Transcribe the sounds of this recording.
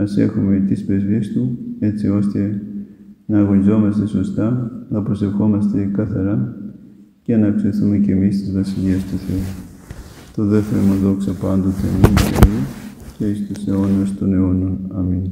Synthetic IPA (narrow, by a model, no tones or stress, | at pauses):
mɐse̞̰xume̞t̪ispe̞zviest̪ue̞t͡sio̞st̪e̞ | nɐːɣo̞nizo̞mɐst̪e̞so̞st̪ɐnɐpɾo̞se̞fxo̞mɐst̪e̞kɐθɐɾɐ | ceɐnɐkseθume̞cemist̪izvɐsiʎiest̪uθe̞u | t̪o̞ðe̞ft̪eɾomuðo̞ksɐpɐnd̪o̞t̪emitḛɾiceist̪use̞o̞nuest̪one̞o̞nonɐmin